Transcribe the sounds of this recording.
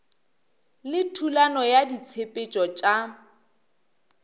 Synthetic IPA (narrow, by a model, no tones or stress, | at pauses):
lɪtʰulanɔjadit͡sʰepʼet͡ʃʼɔt͡ʃʼa